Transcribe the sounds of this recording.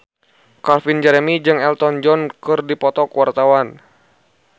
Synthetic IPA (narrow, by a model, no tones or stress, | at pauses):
kalfind͡ʒɛɾɛmid͡ʒɨŋɛlt̪ɔnd͡ʒɔnkɨrdipɔt̪ɔkwart̪awan